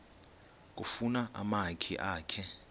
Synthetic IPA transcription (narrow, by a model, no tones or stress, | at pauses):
k̬ʼufunaʔa̰makʰḭʔaːkʰɛ